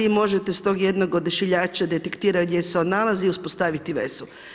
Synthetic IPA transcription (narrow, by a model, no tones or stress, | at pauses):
imo̞ʒet̪e̞st̪o̞ːɡje̞d̪noɡod̪iʃiʎaːt͡ʃad̪et̪ekt̪iːɾaɡd̪jeseod̪nalˠaziiuspost̪aʋit̪iʋḛzu